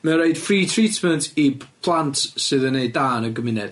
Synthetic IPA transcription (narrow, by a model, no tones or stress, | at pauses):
məɾeɨd̥friːtʰritməntʰipʰlˠantʰsɨðənejdaːnəɡəmɪnɛd̥